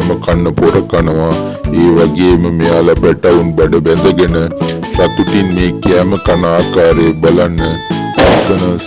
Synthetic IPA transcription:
məkanːəpoɾəkanəʋaeːʋaɡeːməmeːalapæʈaunbɐɖəbɛnd̪əɡenə | sat̪uʈinmeːkiaːməkanaːkaːɾebɐlanːəsisənə

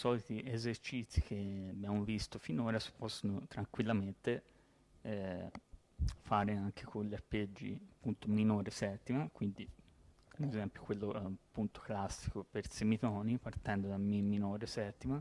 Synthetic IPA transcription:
sɔːlit̪iʔezert͡ʃit̪sːik̟eabjamovist̪ofinoːɾasi̥pɔsːonot̪ɾaŋkwilːament̪e | faːɾeaŋkʰe̥konleapːed͡ʒːḭapːunt̪ominoːɾesɛt̪ːimakwind̪i | d̪ezɛmpjokwelːopːunt̪o̥klasːi̥kopersemit̪ɔːnipart̪ɛnd̪od̪amiminoːɾesɛt̪ːima

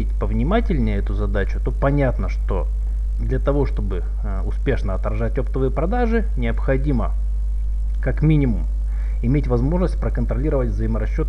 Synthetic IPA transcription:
etʲpəvnʲɪmatʲɪlʲnʲəjəɛt̪ʊzɐd̪at͡ɕʊt̪o̞pɐnʲat̪nəʂt̪o̞̰ | d̪lʲɐt̪ɐvo̞ʂt̪o̞bɨ | ʊspʲe̞ʂnəɐt̪ɾɐʐat̚ʲopt̪əvɨjəpɾɐd̪aʐɨ | nʲɪəpxɐdʲimə | kakmʲinʲɪmʊm | ɪmʲetʲvɐzmo̞ʐnəsʲtʲpɾəkənt̪ɾɐlʲiɾəvətʲvzəɪməɾɐɕːo̞t̪

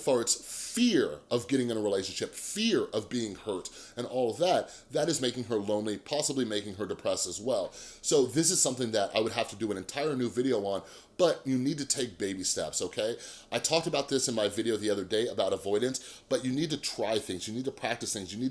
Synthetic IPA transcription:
fɑɹɨtsfɪɹʌvɡɛɾɪ̃ŋɨ̃ñəɹileɪʃɨ̃n̩ʃɪpfɪɹʌvbiɪ̃ŋhɜ˞ɾ | ɨ̃nɔlˠʌvðət̪̚ | ðɨɾɨzmeɪkɪ̃ŋə˞lõʊ̃nlipʰɑsəblimeɪkɪ̃ŋə˞dɨpʰɹ̥ɛsɨzwɛlˠsoʊðɪs̬ɨz̥sʌ̃mθɪ̃ŋðɨɾʔa̰ɪwəd̚ɦæftɨdɨɨ̃ñɨ̃ntʰaɪə˞nʉvɪɾioʊə̃n | b̥ʌt͡ʃɨnid̚tɨtʰeɪk̚b̥eɪbistɛ̰psoʊkʰeɪ | aɪtʰɔk̚təbaʊt̪̚ðɪsɨ̃nmaɪvɪɾioʊðiʌðə˞deɪɨbaʊɾəvɔɪɾⁿn̩sb̥ʌt͡ʃɨnid̚tɨtʰɹ̥aɪθɪ̃ŋzjɨnid̚tʰɨpʰɹ̥æk̚tɨsθɪ̃ŋzjɨnid̚

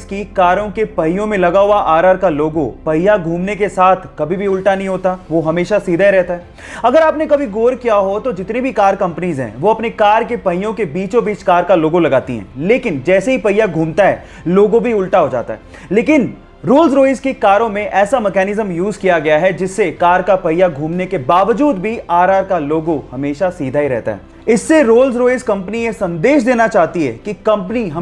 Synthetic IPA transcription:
zkikaːɾõkepɐɦɪjõmẽlɐɡaɦuaʔaːɾaːɾkaloːɡõ̰pɐjaɡʱuːmnek̬esaːt̪ʰkɐbʱibʱiʊlʈanɐɦĩɦoːt̪aʋoɦɐmeːʃasiːd̪ʱaɾɛɦt̪aɦɛː | ɐɡəɾaːpnekɐbʱiɡoːɾkijaɦot̪od͡ʒɪt̪nebʱikaːɾkɐ̃mpənizɦɛ̰̃ːʋoɐpnekaːɾkepɐɪjõkebiːt͡ʃobiːt͡ʃkaːɾkaloːɡõlɐɡaːt̪ḭɦɛ̰̃leːkɪnd͡ʒɛːseɦipɐjaɡʱuːmt̪aɦɛ̰ː | loːɡõbʱiʊlʈaɦod͡ʒa̰ːt̪a̰ɦɛː | leːkɪn | ɾoːlzɾoːɪzkekaːɾõmẽʔɛːsamɛkɛːnɪzəmjuːzkijaɡɐjaɦɛd͡ʒɪsːekaːɾkapɐjaɡʱuːmnekebaːʋəd͡ʒuːd̪bʱiaːɾaːɾkaloːɡõhɐmeːʃasiːd̪ʱaɦiɾɛ̰ɦt̪a̰ɦɛ̰ː | ɪsːeɾoːlzɾoːɪzkɐ̃mpəniesɐ̃nd̪eːʃd̪eːnat͡ʃaːɦt̪iɦɛ̰ːkikɐ̃mpəniɦɐ

